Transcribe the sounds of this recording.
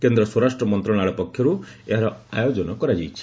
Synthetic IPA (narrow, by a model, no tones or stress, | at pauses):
kend̪ɾɔswɔɾasʈɾɔmɔnt̪ɾɔɽ̃aɭɔpɔkʰjɔɾueɦaɾɔajod͡ʒɔnɔkɔɾad͡ʒajt͡ʃʰi̥